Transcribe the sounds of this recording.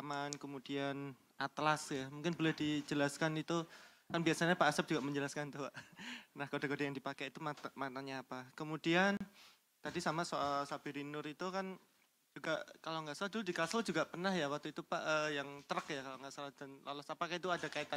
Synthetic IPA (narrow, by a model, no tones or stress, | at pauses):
amankəmudian | ʔat̪lasjamuŋkɪnbolɛhdid͡ʒəlaskanit̪ukanbiasaɲapaʔːsap̚d͡ʒuɡaʔməɲd͡ʒəlaskant̪uwaʔnahkodakodajaŋdipakeit̪umat̪amat̪aɲaːpakəmudian | t̪adisamasoalsabiɾinʊɾit̪ukan | d͡ʒuɡaʔkaloŋɡaʔsaladuldikaslad͡ʒuɡaʔpərnahjawak̚t̪uit̪upaʔəjaŋt̪əɾəkjakaloŋɡaʔsalahd̥anla̰lɔsapakait̪̬uadakait̪a